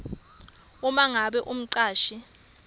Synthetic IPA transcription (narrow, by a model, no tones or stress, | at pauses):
umaŋaɓɛʔum̩ǀaːʃi